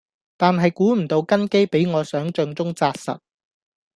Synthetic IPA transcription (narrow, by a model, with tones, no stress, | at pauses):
t̪aː˨nɦɐ˨jkuː˨˥m̩˨˩t̪o˧wkɐ˥nke˥jpe˨˥jŋɔː˨˧sœː˨˥ŋt͡ʃœ˧ŋt͡sʊ˥ŋt͡saː˧t̚sɐ̰˨t̚